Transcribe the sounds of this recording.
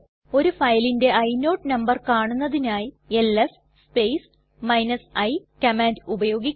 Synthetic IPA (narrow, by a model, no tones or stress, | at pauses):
o̞ɾufɐjlinde̞ʔɐjno̞ːʈnɐmbɐrkaːɳunːɐðinaːji | elef | spejs | mɐjnɐsɐjkɐmaːndubɐjo̞ːɡikː